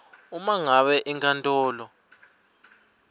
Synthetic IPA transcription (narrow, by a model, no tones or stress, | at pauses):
umaŋaɓɛʔiŋkʰʼantʼɔːlɔ